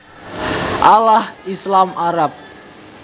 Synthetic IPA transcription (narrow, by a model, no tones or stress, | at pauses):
ʔalahislamaɾap̚